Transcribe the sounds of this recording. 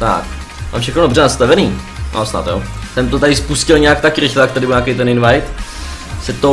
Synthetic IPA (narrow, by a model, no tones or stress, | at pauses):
t̪a̰k | ma̰ːmfʃɛxnodobr̝ɛnast̪avɛniːa̰sna̰t̪jo̰ːt̪ɛmt̪ot̪aɾɪspuscɪlɲɛak̚t̪akɾɪxlɛjak̚t̪adɪbɪlɲaːkejt̪ɛnɪnvajt̪ | sɛt̪o